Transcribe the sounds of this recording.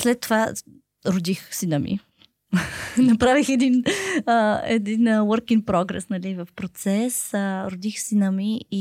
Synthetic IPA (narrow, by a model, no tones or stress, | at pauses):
slɛt̪ːova | ɾod̪ixsinəmḭ | nɐpɾavixɛd̪inəɛ̰d̪inəwəɾkiŋɡ̚pɾɔɡɾɛ̰snɐlivəfpɾot̪sɛsəɾod̪ixsinəmii